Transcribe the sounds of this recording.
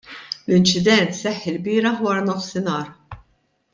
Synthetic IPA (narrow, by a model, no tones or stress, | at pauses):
lɪnt͡ʃɪd̪ɛnt̪sɛħːɪlbɪːɾɐħwɐːɾɐnɔfsɪnɐːɾ